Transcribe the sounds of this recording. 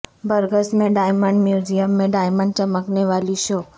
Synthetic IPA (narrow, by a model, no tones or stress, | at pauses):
bəɾɡəsmẽɖaːjməɳɖmjuːd͡ʒijəmːẽɖaːjməɳɖ̚t͡ʃəməkneʋaːliʃoː